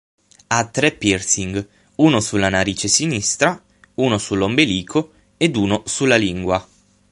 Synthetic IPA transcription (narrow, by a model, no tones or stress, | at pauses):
at̪ːɾɛpːirsiŋɡ | uːnosulːanaɾiːt͡ʃesinist̪ɾa | uːnosulːombeliːkʰo | ed̪uːnosulːaliŋɡwa